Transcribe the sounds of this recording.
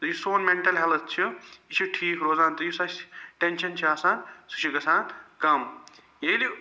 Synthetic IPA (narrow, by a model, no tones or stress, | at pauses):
t̪ɐjusoːnmeɳʈɐlɦɐlɐt̪̚t͡ʃʰiit͡ʃʰiʈʰiːkɾoːzaːnt̪ɐjusɐsʈenʃɐnt͡ʃʰiaːsaːnsu̥t͡ʃʰiɡɐsaːnkɐm | jeli